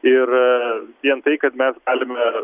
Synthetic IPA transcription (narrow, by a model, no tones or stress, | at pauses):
ɪrʋʲiɛnt̪ɐɪkɐt̪mʲɛsɡɑːlʲɪmʲɛ